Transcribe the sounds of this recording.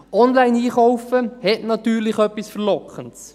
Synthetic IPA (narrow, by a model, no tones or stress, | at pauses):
ɔnlaɪniːχawfəhɛtnɑt̪ːyːɾlɪχœpːisfəɾlɔkχənts